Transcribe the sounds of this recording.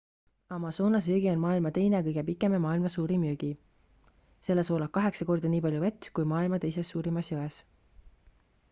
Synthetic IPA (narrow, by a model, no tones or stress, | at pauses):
ɑmɑso̞ːnɑs̬yːɡ̥io̞nmɑːilmɑt̪e̞jne̞kɤjɡepikːˑe̞memɑːilmɑsuːɾimyːɡ̥i | se̞lːeso̞ːlɑk̚kːɑɦe̞ksɑko̞rd̪ɑnʲiːpɑlʲjuvet̪ʲkujmɑːilmɑt̪e̞jse̞sːuːɾimɑsjøes